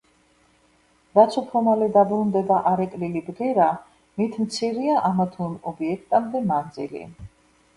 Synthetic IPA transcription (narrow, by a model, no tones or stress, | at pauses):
vat̪sʰɔpʰɾɔmalɛd̪abɾund̪ɛbaʔaɾɛkʼlilibɡɛɾa | mit̪ʰmt̪sʰiɾiaʔamat̪ʰunɔbiɛkʰt̪ʼamd̪ɛmand̪zḭlḭ